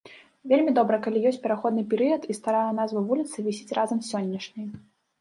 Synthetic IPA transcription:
vʲelʲmʲid̪ɔbɾɐkalʲijɔsʲtʲpʲɛɾaxɔd̪nɨpʲɛɾɨjɐt̪ist̪aɾajɛnazvɐvulʲit̪sɨvʲisʲit͡sʲrʔazɐmsʲɔnʲːɐʂnʲɨj

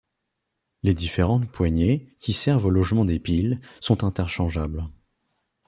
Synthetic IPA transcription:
led̪ifeʁɑ̃t̪pwaɲekʲʰisɛʁvolɔʒmɑ̃d̪epilsɔ̃t̪ɛ̃t̪ɛʁʃɑ̃ʒabl

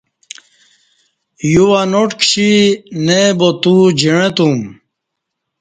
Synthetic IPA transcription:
juwanoʈkɕinebot̪ud͡ʑiɽ̃ẽt̪um

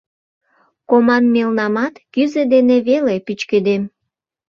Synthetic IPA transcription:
komɑnmelnɑmɑt̪kyzed̪eneβelepyt͡ɕked̪em

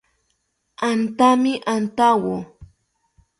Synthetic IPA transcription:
ant̪amɪʔant̪awo

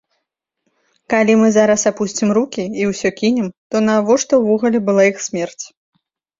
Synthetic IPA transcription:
kalʲimɨzaɾɐsapusʲt͡sʲimrukʲiiwsʲɔkʲinʲɛmt̪ɔnɐvɔʂt̪ɐwːɔɣɐlʲɛbɨlˠaixsʲmʲɛrt͡sʲ

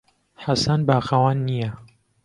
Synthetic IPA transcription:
ħasanbaːxɐwaːnːijɐ

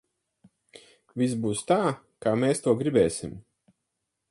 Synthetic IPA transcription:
visbuːst̪aː | kaːmeːst̪uɔɡɾibɛːsʲim

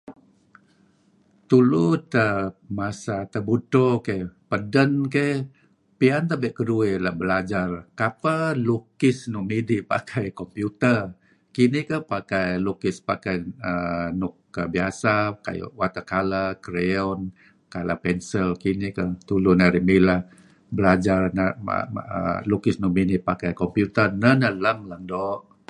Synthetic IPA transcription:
t̪ulut̪əmasat̪əbut̪okepədənke | piant̪əbɛʔkəduɛlabəlad͡ʒarkapəlukɪsnʊʔmidiʔpa̰kʰajkɔmpjut̪ər | kinikəhpakajlukɪspakajənʊkːəbiasaka̰j̰wat̪akalakəɾeɔn | kala̰pɛnsəlkinikət̪ulʊnaɾimilah | bəlad͡ʒarnaa̰ə̰lukɪsnʊʔmidipakajkɔmpjut̪ərnənələŋləŋdɔʔ

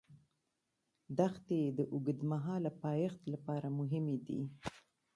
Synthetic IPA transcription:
d̪axt̪ed̪əʔʊɡəd̪maɦɑlapɑjext̪lapɑɾamʊɦɪmed̪ḭ

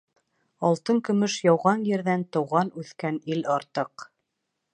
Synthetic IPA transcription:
ɑlˠt̪ɤŋkɵ̆mɵʃjɑwʁɑnjɘ̆ɾðænt̪ɤ̆wʁɑnʉθkænilɑɾt̪ɤq

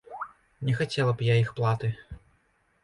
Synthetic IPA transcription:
nʲɛxat͡sʲɛlˠɐbjaixplˠat̪ɨ

